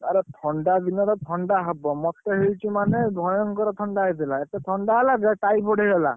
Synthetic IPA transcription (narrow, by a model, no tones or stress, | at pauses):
aɾɔtʰɔɳɖad̪inɔɾɔtʰɔɳɖaɦabɔmɔkt̪ɔɦit͡ʃimanɛbʱɔjɔŋkɔɾɔt̪ʰɔɳɖaɦesilaɛtɛt̪ʰɔɳɖaɦalazɛʈajpɔɽʱijɦɔla̰